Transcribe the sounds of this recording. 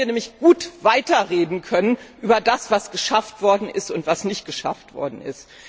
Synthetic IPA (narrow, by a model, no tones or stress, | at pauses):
iːɐnɛːmlɪçɡ̥uːtv̥aɪtɐʁeːdn̩kʰœnənʔyːbɐdasv̥asɡ̥əʃaftv̥ɔɐdn̩ɪstʊntv̥asnɪçt̚ɡ̥əʃa̰ftv̥ɔ̰ɐdn̩ɪ̰st